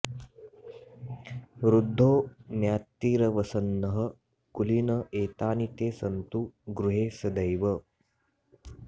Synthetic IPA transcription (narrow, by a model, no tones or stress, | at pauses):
ʋɾud̪ʱːoːnjaːt̪ːiːɾɐʋɐsɐnːɐɦə | kulinəʔeːt̪aːnit̪eːsɐnt̪uɡɾuɦeːsɐd̪əjʋə